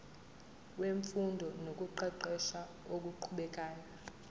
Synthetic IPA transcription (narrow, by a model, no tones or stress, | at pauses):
weɱfundʱɔnok̬ʼuǃɛǃɛʃa | ok̬ʼuǃʰuɓɛkʼaːjɔ